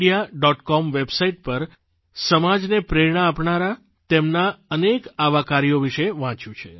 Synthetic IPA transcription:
ijaɖɔʈkɔmʋebsaiʈ̚pəɾ | səmad͡ʒnepɾeɾɳ̃aːpɳaɾa | t̪emnaənekaʋakaɾioʋiʃeʋãt͡ʃjũt͡ʃʰe

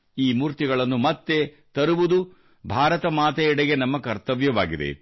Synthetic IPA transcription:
iːmuːɾt̪iɡɐɭɐnːumɐt̪ːe̞ | t̪ɐɾuʋud̪u | bʱaːɾɐt̪ɐmaːt̪ɐɛɽeɡe̞nɐmːɐkɐɾt̪ɐʋjɐʋaːɡid̪ḛ

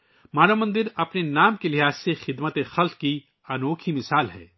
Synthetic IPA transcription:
maːnamɐ̃nd̪ɪɾɐpnenaːmkelɪɦaːzsexɪd̪mət̪exɐlt̪ki | ɐnoːkʰimɪsaːlɦɛ̰ː

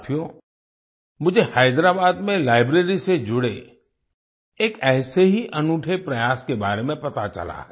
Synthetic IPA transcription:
t̪ʰijo | mʊd͡ʒʱehaɪd̪ɾaːbaːd̪mẽlaːɪbɾeːɾised͡ʒʊɽḛ | eːkɛːseɦiʔɐnʊʈʰepɾɐjaːskebaːɾemẽpɐt̪at͡ʃɐ̰la̰ɦɛ

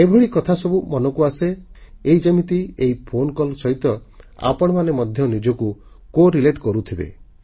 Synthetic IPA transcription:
ebʱeɭikɔt̪ʰasɔbumɔnɔkuaseeid͡ʒemit̪ieipʰonkɔlsɔɦit̪ɔ | a̰pɔɽ̃ɔmanemɔd̪ʱjɔnid͡ʒɔku | koɾileʈkɔɾut̪ʰibḛ

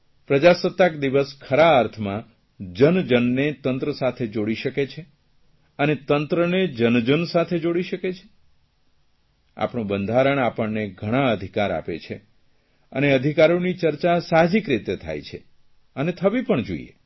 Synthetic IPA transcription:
pɾəd͡ʒasət̪ːakd̪iʋəskʰəɾaːɾt̪ʰmã | d͡ʒənd͡ʒənːet̪ənt̪ɾəsat̪ʰed͡ʒoɽiʃəket͡ʃʰe | ənet̪ənt̪ɾəned͡ʒənd͡ʒənsat̪ʰed͡ʒoɽiʃəket͡ʃʰe̥ | a̰pɳũbənd̪ʱaɾəɳapəɳneɡʱəɽ̃ãəd̪ʱikaɾa̰pḛt͡ʃʰḛ | ə̰neəd̪ʱikaɾonit͡ʃəɾt͡ʃasaɦd͡ʒikɾit̪et̪ʰa̰jt͡ʃʰe | ənet̪ʰəʋipəɳd͡ʒo̰ḭjḛ

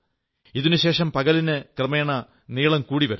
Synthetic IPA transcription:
iðinuɕe̞ːʂɐmpɐɣɐlinɨkrɨmeːɳɐ | niːɭɐmkuːɽiʋɐɾu

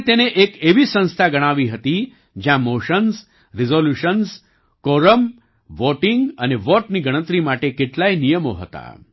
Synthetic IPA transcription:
t̪eneʔekeʋiːsə̃w̃st̪ʰaɡəɽ̃aʋiɦət̪iː | d͡ʑjãmoɕəns | ɾizoljuɕəns | koɾəm | ʋoʈiŋɡəneʋoʈniːɡəɽ̃ət̪ɾiːmaʈekeʈlainijəmoɦət̪a̰

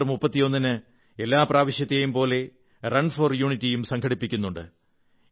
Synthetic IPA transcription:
rmupːɐt̪ːijo̞nːinɨ | e̞lːaːpraːʋiɕjɐt̪ːɐjumpo̞ːle̞ | rɐɳforjuːɳitːijumsɐŋkʰɐɽipːikʲːunːuɳɖɨ̰

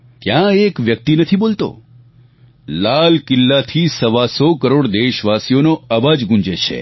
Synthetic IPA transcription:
t̪jãekʋjək̚t̪inət̪ʰibolt̪o̰ | lalkɪlːat̪ʰisəʋasokəɾoɽd̪eʃʋasijonoəbad͡ʒɡũɲd͡ʒet͡ʃʰḛ

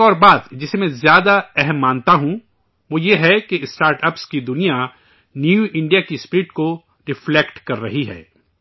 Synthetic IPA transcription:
ɔːɾbaːd̪d͡ʒɪsemɛ̃zjaːd̪aɛɦɛmːãːnt̪aɦũ | ʋoːjeɦɛkeɪsʈaːɾʈɐpskid̪ʊnija | njuɪ̃ɳɖijakispɪɾɪʈko | ɾɪflekʈkɐɾːɐɦiɦɛ̰ː

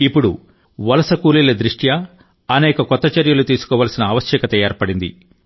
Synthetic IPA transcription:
ipːuɽu | ʋɐlɐsɐkuːlilɐd̪ɾiʂʈjɐ | ɐnɛːkɐkɔt̪ːɐt͡ʃɐɾjɐlut̪iːsu̥kɔːʋɐːlɐsinɐːʋɐʃjɐkɐt̪ɐjaːɾpɐɽind̪ḭ

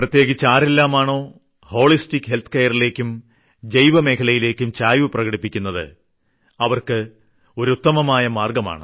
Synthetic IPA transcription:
prɐt̪je̞ːɡit͡ɕːaːɾelːaːmaːɳo̞ː | ho̞ːɭistikʲːɦe̞lt̪ʰɨ̥keːjɐrile̞ːkʲːum | d͡ʑejʋɐme̞ːkʰɐlɐjile̞ːkʲːumt͡ɕaːjʋɨprɐɣɐɽipːikʲːunːɐðɨ̰ | ɐʋɐrkɨ | o̞ɾut̪ːɐmɐmaːjɐmaːrɡɐma̰ːɳɨ

